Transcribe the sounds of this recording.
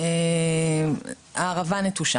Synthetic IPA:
e | aʁavanet̪uʃa

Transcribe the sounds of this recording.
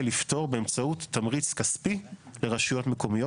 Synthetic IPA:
lifto̞ʁbeemt͡sautːamʁit͡skaspile̞ʁaʃujo̞tme̞ko̞mijo

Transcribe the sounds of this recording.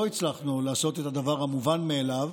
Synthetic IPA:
oit͡slaχnulaːso̞t̪et̪ad̪avaʁhamuvanmeːlav

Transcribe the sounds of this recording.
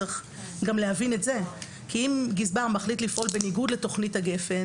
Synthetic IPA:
χ | ɡamlehavinetze̞ | kʰiimɡizbaʁmaχlitlifʔo̞lbe̞niɡudle̞to̞χnithaɡe̞fe

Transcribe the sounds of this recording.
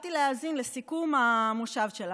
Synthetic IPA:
t̪ileaːzinlesikumamuʃavʃela

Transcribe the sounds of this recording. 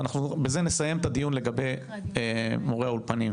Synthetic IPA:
naχnubeze̞nesaje̞mt̪ad̪ijunle̞ɡabe̞j | moʁeaulpanim

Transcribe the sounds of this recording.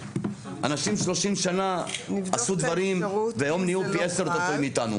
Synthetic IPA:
ʔa̰naʃimʃlo̞ʃimʃanaasud̪vaʁimvejo̞mnijupieseʁt̪ofoimit̪anṵ

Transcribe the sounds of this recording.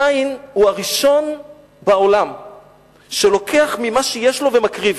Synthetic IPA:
ainhuaʁiʃo̞n | bao̞lam | ʃelo̞kʰeaχmimaʃejeʃlo̞vemakʁiv

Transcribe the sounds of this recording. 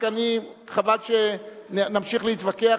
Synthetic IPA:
kaniχavalʃennamʃiχleit̪vakea

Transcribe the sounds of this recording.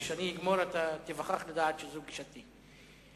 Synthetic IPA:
ʃaniiɡmoɾat̪at̪ivaχaχlad̪aːt̪ʃezɛuɡiʃat̪i

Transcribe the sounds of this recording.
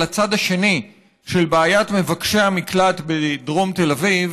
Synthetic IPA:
at͡sad̪aʃe̞ni | ʃelbeːjatme̞vakʃeamiklat̪bedʁomte̞laviv

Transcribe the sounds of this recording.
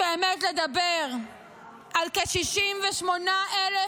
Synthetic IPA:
eːmetled̪abeʁ | ʔalkeʃiʃimveʃmo̞naʔele

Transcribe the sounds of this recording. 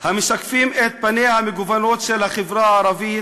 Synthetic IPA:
hamɪʃakfiːmet̪̚banehamiɡovanoːt̪ʃelhaχɪvɾaʕɑɾˤɑvi

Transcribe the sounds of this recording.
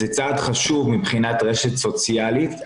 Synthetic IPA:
et͡saːd̪χaʃuvmibχinat̪ʁeʃet̪so̞t͡sjalit̪

